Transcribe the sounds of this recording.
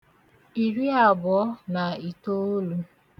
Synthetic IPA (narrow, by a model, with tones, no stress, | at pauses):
i˨ɾi˦a˨bʊ˨ɔ˦na˨i˨to˦o˦lu˦